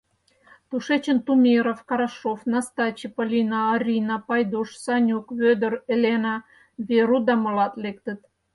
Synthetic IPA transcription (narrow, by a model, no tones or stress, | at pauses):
t̪uʃet͡ɕə̆nt̪umʲiɾofkɑɾɑʃofnɑst̪ɑt͡ɕepəlʲinɑːrʲinɑpɑjd̪uʃsɑnʲukβød̪ə̆relʲenɑ | βeɾud̪ɑmə̆lɑt̪lek̚t̪ə̆t̪̚